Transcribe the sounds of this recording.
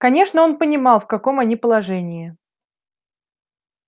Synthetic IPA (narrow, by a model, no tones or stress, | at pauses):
kɐnʲe̞ʂnəo̞npənʲɪmɑlˠfkɐko̞mɐnʲipəlˠɐʐɛnʲɪɪ